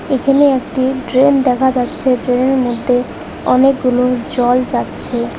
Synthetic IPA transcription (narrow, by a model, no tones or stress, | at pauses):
ekʰaneekʈiʈɾend̪ɛkʰad͡ʑatːɕʰeʈɾeneɾmod̪ʱːe | ɔnekɡulod͡ʑɔld͡ʑatːɕʰe